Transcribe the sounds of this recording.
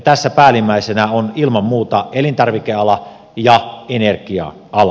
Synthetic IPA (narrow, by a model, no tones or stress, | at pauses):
t̪æsːæpæːlimæˑisenæonilmɑmmuːt̪ɑelint̪ɑrʋikeɑlɑ | jɑenerkiɑ̰ | ɑlɑ